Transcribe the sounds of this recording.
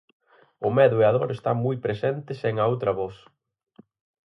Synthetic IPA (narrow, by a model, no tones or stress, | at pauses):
ʊmɛðʊeaðoɾest̪aŋmujpɾesɛnt̪ɪseŋaowt̪ɾɐβɔθ